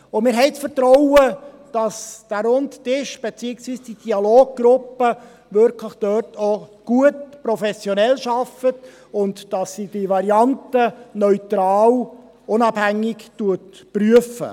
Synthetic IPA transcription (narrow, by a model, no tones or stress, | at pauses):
ʊmɪːɾɦɛɪt͡sfəɾtɾɔʊwə | d̥ɑsd̥æɾʊnttɪʃb̥et͡siːəksʋiːsd̥id̥iɑloːɡ̚ɡ̥ɾʊpːə | ʋʏɾkʰləχd̥œɾtʰoɡ̥uətpɾɔfɛsjɔnɛlʃɑfət | ʊndd̥ɑsːid̥iʋɑɾiɑntənœʏtɾɑːl | ʊnɑb̥hæŋːɪktuətpryəfə̰